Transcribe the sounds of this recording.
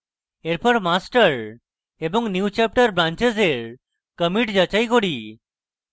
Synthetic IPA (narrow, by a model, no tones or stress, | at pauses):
eɾpɔɾmasʈəɾ | ebɔŋnjut͡ɕap̚ʈəɾbɾãnt͡ʃezeɾ | kəmiʈd͡ʑət͡ʃajkoɽi